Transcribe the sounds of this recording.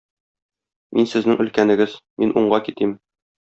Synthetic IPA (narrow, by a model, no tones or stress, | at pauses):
mʔinsɘ̆znɘŋɵ̆lkænɘ̆ɡɘzminʔuɴɢɑkit̪im